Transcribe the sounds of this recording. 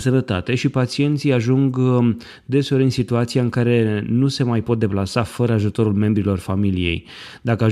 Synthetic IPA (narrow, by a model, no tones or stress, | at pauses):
sənət̪a̰t̪e̞ʃipat̪t͡ʃie̞nt̪sijaʒuŋɡ | d̪e̞so̞ɾinsit̪uat̪sijaɨŋkaɾe̞nuse̞majpo̞t̪̚d̪e̞plasafəɾəaʒut̪o̞ɾulme̞mbɾilo̞rfamilije̞̰j | d̪akəa